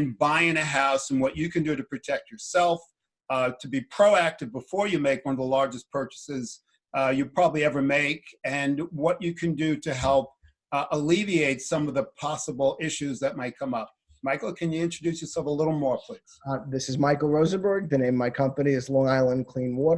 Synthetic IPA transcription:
nbaɪɪ̃nɨɦaʊsɨ̃n̩wʌt͡ʃɨkʰɨ̃ndɨɾɨpʰɹ̥ɨtʰɛk̚t͡ʃə˞sɛlˠf | tʰɨbipʰɹ̥oʊæk̚tɨvbəfɔɹjɨmeɪkwʌ̃nʌvðəlɑɹd͡ʒɨspʰɜ˞t͡ʃɨ̥sɪz̥ | jɨpʰɹ̥ɑbəbliɛvə˞meɪkɨ̃nwʌt͡ʃɨkʰɨ̃ndɨɾɨɦɛlˠp̚ | ʔəlivieɪtsʌ̃mʌvðəpʰɑsəbl̩ˠɪʃʉzðɨt̚maɪt̚kʰʌ̃mʌp̚ | maɪkl̩ˠkʰɨ̃njɨɪ̃nt͡ʃɹ̥ɨdʉsjə˞sɛlˠfəlɪɾl̩ˠmɔɹpʰl̥ɪksðɪsɨzmaɪkl̩ˠɹoʊzə̃bə˞ɡ̚ðɨnẽɪ̃mmaɪkʰʌ̃mpɨniɨzlɔ̃ŋaɪlˠə̃nkʰl̥ĩnwɔɾ

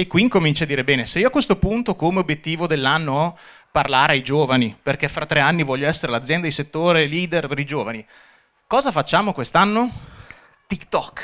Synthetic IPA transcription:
ekːwiŋkomint͡ʃad̪ːiːɾebɛːneseiːoakːwest̪opunt̪okomeobjet̪ːiːvod̪elːanːoɔ | parlaːɾeajd͡ʒoːvaniperk̟efːɾat̪ːɾeanːivɔʎːoɛsːeɾelad̪zjɛnd̪ad̪iset̪ːoːɾeliːd̪erpeɾid͡ʒoːvani | kɔːzafat͡ʃːaːmokwest̪anːo | t̪ikt̪ɔkː

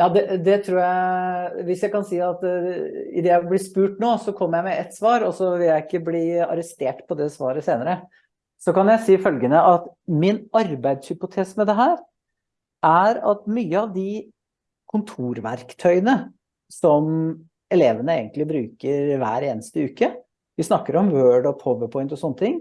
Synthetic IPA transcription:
jɑːd̪ɛd̪ɛt̪ʰɾuːjæʋɪsjæɪkɑnsiːɑt̪ | ɪ̰d̪ɛjæɪblɪspʉːʈnoːsɔkʰɔmːjæɪmɛʔɛt̪sʋɑːɾɔsɔʋɪljæɪɪkːəbliːɑ̰ɾəst̪eːʈpʰɔd̪ɛsʋɑːɾəseːnəɾə | sɔkɑnjæɪsiːfœlɡənəʔɑt̪mɪnɑɾbæɪd̪shʏpʊt̪ʰeːsmɛd̪ɛɦæːɾ | ʔæɾɑ̰t̪myːəɑʋd̪ɪ | kʰʊnt̪ʰuːɾʋæɾkt̪ʰœʏənə | sɔm | ɛleːʋənəeːɡənt̪lɪbɾʉːkəɾʋæ̰ːɾeːnəst̪əʉːkə | ʋɪsnɑkːəɾɔmwøːɖɔpʰɔʋəpʰɔɪnt̪ɔsɔnːət̪ʰɪŋː

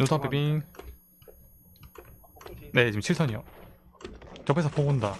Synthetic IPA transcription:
notʰapepin | ne̞t͡ɕimt͡ɕʰiɭsʰʌɲijo | t͡ɕʌpʰesʰʌpʰoɡonda

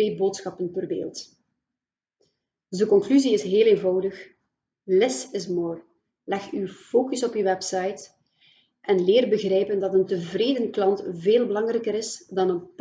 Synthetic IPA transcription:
eːboːtsxɑpənvərbḛːlˠt | dəkɔŋklyziɪsɦeːleːnvɑwdəx | lɪsɪsmoːr | lɛxywfoːkəsɔpywɛpsɑjt | ʔɛnleːrbəɣrɛjpəndɑtəntəvreːdənklɑntveːlˠbəlɑŋrɛkəɾɪsdɑnənp

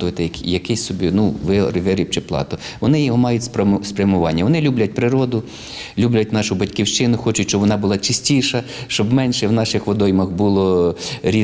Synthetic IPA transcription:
ʊʋet̪ɪjɐkjɐkɪsʲsɔbʲinuʋɪrʋɪɾʲip̚t͡ʃɪplˠɑ̰t̪ɔʋɔnɪjimɑjʊtʲspspɾʲɐmʊʋɑnʲːɐʋɔnɪlʲublʲɐt̚ʲpɾɪɾɔd̪ʊ | lʲublʲɐt̚ʲnɑʃʊbɐtʲkʲiwʃt͡ʃɪnʊxɔt͡ʃʊtʲʃt͡ʃɔbʋɔnɑbʊlˠɑt͡ʃɪsʲtʲiʃɐ | ʃt͡ʃɔbmɛnʃɛwnɑʃɪxʋɔd̪ɔjmɐxbulˠɔɾʲi

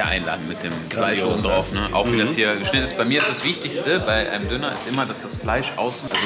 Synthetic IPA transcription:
ɐʔa̰ɪnla̰ːdn̩mɪt̚d̥eːmflaɪʃʔoːbm̩dʁaʊfnəʔa̰ʊxv̥iːdashiːɐʃnɪtɪsb̥aɪmiːɐɪstd̥asv̥ɪçtɪçstəbaɪʔa̰ɪnəmdʏnɐɪ̰stʔɪmɐdasd̥asflaɪʃʔa̰ʊsʔalzo

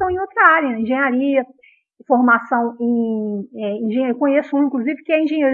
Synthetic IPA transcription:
ɐ̃w̃ẽowt̪ɾɐaɾjɐnɛẽʒẽɲaɾiɐ | foɾmasɐ̃w̃ẽɛĩʒẽɲeɾukõɲesʊũĩkluzivɪkɪɛĩʒẽɲeɾ

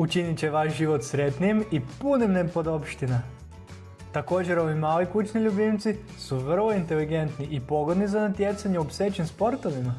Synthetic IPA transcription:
ut͡ʃinit͡ɕeʋaʃʒiʋot̪sɾet̪nijmipunimnepo̞d̪opʃt̪ina | t̪ako̞ːd͡ʒeɾo̞ʋimaːlikut͡ʃniʎubimt̪si | suʋr̩lˠoint̪eliɡent̪niʔipo̞ɡo̞d̪nizanat̪jet̪saɲɛopset͡ɕenspo̞ɾt̪oʋima

